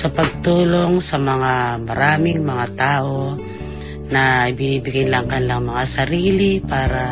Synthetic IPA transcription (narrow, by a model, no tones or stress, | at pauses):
sɐpɐɡ̚t̪uːlo̞ŋsɐmɐŋamɐɾaːmɪŋmɐŋat̪aːʔo̞ | nɐibɪniːbɪɡɪnlaŋkɐnlɐŋmɐŋasɐɾiːlipaːɾa